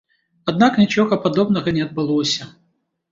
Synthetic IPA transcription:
ɐd̪naknʲɪt͡ɕoɣɐpɐd̪obnɐɣɐnʲɪɐd̪̚bɨlˠɔsʲɐ

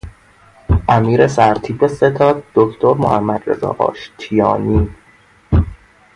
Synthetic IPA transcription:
ʔæmiːɾesæɾt̪ʰiːbe̞se̞t̪ʰɒːd̪̚d̪okʰt̪ʰo̞ɾmo̰hæmːæd̪ɾe̞̰zɒ̰ːʔɒ̰ːʃt̪ʰijɒːniː

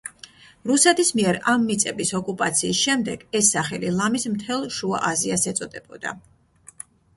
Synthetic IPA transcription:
ɾusɛt̪ʰismiɛɾamːit̪sʼɛbisɔkʼupʼat̪sʰiːsʃɛmd̪ɛɡ̥ɛsːaχɛlilˠamismt̪ʰɛlˠʃua̰ʔaziasɛt̪sʼɔd̪ɛbɔd̪a̰

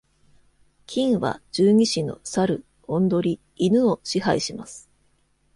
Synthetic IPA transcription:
kʲʰĩɰ̃βa̰d͡ʑɨːɲ̟iɕino̞̰saɾɯ̟ | õ̞nd̪o̞ɾʲiː | nɯ̟oɕiɦaiɕimasɨ̥

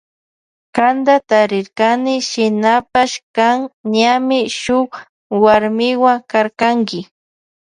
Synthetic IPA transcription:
kand̪at̪aɾɪɾkanɪʃɪnapaʃkaŋɲamɪʃʊχ | waɾmɪwaŋkaɾkaŋkɪ

